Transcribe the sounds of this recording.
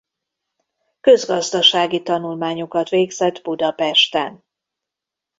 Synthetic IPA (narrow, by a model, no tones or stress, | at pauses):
kø̞zɡɒzd̪ɒʃaːɡit̪ɒnulmaːɲokɒt̪ʋeːɡzɛd̪bud̪ɒpɛʃt̪ɛn